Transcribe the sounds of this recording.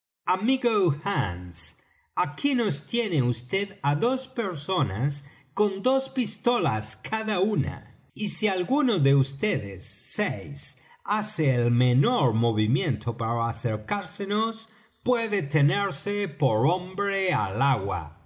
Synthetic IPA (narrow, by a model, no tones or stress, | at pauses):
amiɣoxans | akino̞st̪jeneust̪eðaðo̞speɾso̞na̰s | ko̞nd̪o̞spist̪o̞laskʰaðauna̰ | isialɣunoðeust̪eðḛsːejs | aseːlmeno̞ɾmo̞βimjẽ̞nt̪ʰopaɾaaseɾkaɾsenos | pweðet̪eneɾsepo̞ɾo̞mbɾea̰laɣwa̰